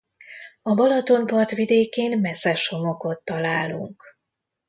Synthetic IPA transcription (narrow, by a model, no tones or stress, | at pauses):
ɒbɒlɒt̪o̞mpɒrt̪ʋid̪eːkeːnmɛsɛʃo̞mo̞ko̞t̪ːɒlaːlṵŋk